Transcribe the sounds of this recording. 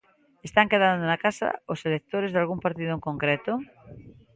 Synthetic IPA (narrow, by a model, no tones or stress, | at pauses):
est̪aŋkeð̞and̪onakasa̰oselek̚t̪oɾezðalɣumpaɾt̪iðoeŋkõŋkɾet̪o